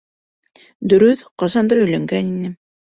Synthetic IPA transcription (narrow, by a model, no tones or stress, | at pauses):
d̪ɵ̆ɾɵθqɑsɑnd̪ɑɾɵ̆jlæŋɡæninɘ